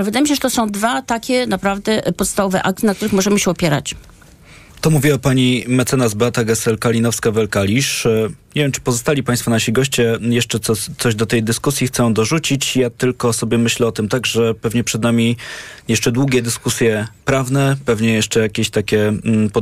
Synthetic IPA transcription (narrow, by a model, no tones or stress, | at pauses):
alɛvɘd̪ajemʲiɕɛʐɛt̪ɔsɔ̃w̃d̪vat̪akʲɛnapɾavd̪ɛpɔt̪st̪avɔvɛʔa̰k̚t̪ɘnak̚t̪uɾɘxmɔʐɛmɘɕɛɔpʲjɛɾa̰t͡ɕ | t̪ɔmuvʲiwapaɲimɛt̪sɛnazbat̪aɡɛsɛlkalʲinɔfskavɛlkalʲiʂɲevʲjɛmt͡ʂɘ̥pɔzɔst̪alʲipajst̪fɔnaɕiɡɔɕt͡ɕɛjɛʂt͡ʂɛt̪sɔt̪sɔʑd̪ɔt̪ɛjd̪ɘskusʲjixt̪sɔw̃d̪ɔʐut͡ɕit͡ɕjat̪ɘlkɔsɔbʲjɛmɘɕlɛɔt̪ɘmt̪aɡʐɛpɛvɲɛpʂɛd̪namʲijɛʂt͡ʂɛd̪wuɡʲɛd̪ɘskusʲjɛpɾavnɛpɛvɲɛjɛʂt͡ʂɛjakʲeɕt̪akʲɛp